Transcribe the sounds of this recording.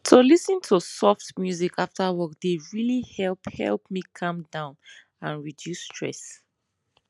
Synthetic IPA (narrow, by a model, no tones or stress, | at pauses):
tʰolisə̃ntʰusɔftmjuzikʰaftawɔkd̥eɹilihɛlphɛ̰lˠpmikʰʌ̃mdãʊ̃n | ãnɹidjusːtʰɹ̥ɛ̰s